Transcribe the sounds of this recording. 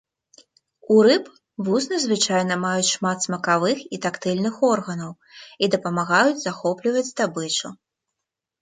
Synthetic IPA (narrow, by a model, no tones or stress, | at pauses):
uɾɨp | vusnɐzvɨt͡ʂajnɐmajut͡sʲʂmat̪smɐkavɨxit̪akt̪ɨlʲnɨxɔrɣɐnɐw | id̪ɐpɐmaɣajud͡zʲzaxɔplʲivɐt͡sʲd̪abɨt͡ʂu